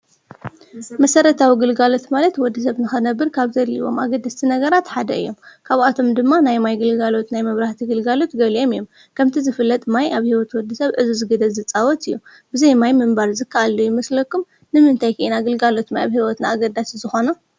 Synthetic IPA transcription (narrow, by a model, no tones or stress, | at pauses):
mɐsɐɾɐt̪ʰawiɡɨlɡalo̞t̪malɐt̪wɔd̪ːis̬ɐβnɨxɨnɐbːɨɾkʰaβzɐlḭβo̞̰mʔa̰ɡɐd̪ːast̪ʰinɐɡɐɾat̪ħad̪ɐ̰ɨ̰jːo̞mkʰaβat̪ʰo̞md̪ɨmːanajmajɡɨlɡalo̞t̪najmɐβɾaht̪ʰiɡɨlɡalo̞t̪ɡɐliomɨjːom | kʰɐmt̪ʰizɨfɨlːɐt̪ʼmajʔaβhiwɔt̪wɔd̪ːisɐβʕɨzuzɨɡɐd̪ɐlzɨt͡sʼawɔt̪ɨjːu | b̥ɨzɐjmajmɨmbaɾzɨkʰːɐʔalːujɪmɐslɐkʰːum | nɨmɨnt̪ʰajkʰɐʔinaɡɨlɡalo̞t̪majaβhiwɔt̪naaɡɐd̪ːaszɨxo̞nɐ